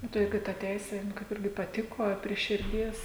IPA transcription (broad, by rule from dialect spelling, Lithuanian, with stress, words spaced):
ˈnʊ tɐɪ ˈjʊk ɪ tɐ ˈtʲɛɪsʲeː nʊ ˈkɐɪp ˈɪrʲɡʲɪ pɐˈtʲɪkoː ɐ pʲrʲiɛ ʃʲɪrʲˈdʲiɛs